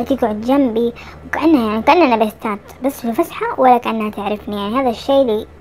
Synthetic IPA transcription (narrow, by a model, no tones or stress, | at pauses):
t̪iːɡʕʊd̪d͡ʒambiwkaʔanːajaʕnikaʔɪnːʔanabɪst̪aːt̪bɪsˤːlfasħawalːakaʔanːhat̪ɪʕɾɪfnijaʕnihaːðaʃːejːli